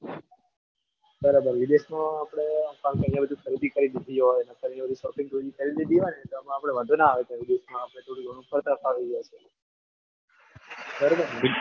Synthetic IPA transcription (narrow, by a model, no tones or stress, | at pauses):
bəɾabəɾʋid̪eʃmãːpɽ̃epãŋkeəɾijãbəd̪ʱikʰəɾid̪ikəɾid̪id̪ʱiɦojnakəɾinebəd̪ʱusɔpĩŋɡ̪od͡ʒikəɾid̪id̪iɦonet̪oəmãapɽ̃eʋəd̪ʱunaaʋet̪ãʋid̪eʃmãːpɳ̃eʈ̪ʰoɽiɡʱəɽ̃ũpʰəɾt̪apaʋiɡat͡ʃʰe | bəɾabəɾ